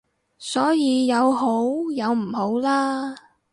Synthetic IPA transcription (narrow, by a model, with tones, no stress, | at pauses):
sɔː˨˥jiː˨˧jɐ˨˧wɦo˨˥wjɐ˨˧wm̩˨˩ho˨˥wlaː˥